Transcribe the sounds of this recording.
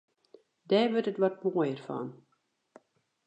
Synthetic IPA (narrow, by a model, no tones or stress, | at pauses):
dɛːʋøtətʋɔt̚moəjərfɔ̰n